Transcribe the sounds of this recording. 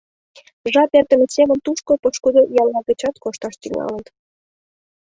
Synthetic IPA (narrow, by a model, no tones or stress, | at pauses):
ʒɑpert̪ə̆meseβə̆nt̪uʃkopoʃkud̪ejɑlːɑɣə̆t͡ɕɑt̪koʃt̪ɑʃt̪yŋɑ̰lə̆t̪